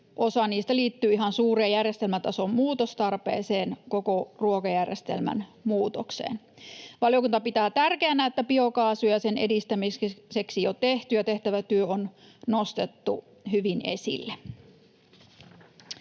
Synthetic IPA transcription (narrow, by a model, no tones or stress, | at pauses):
ʔosɑniːst̪æliːt̪ːyːiɦɑnsuːreːjærjest̪elmæt̪ɑsommuːt̪ost̪ɑrpḛːseːnkokoruokɑjærjest̪ḛlmæ̰nmuːt̪oksḛːn | ʋɑljokunt̪ɑpit̪æːt̪ærkeænːˑæet̪ːæpiokɑːsujɑsenḛdist̪æmiseksiot̪eht̪yjɑt̪eht̪æʋæt̪yøon | nost̪et̪ːu | hyʋinḛsḭlːe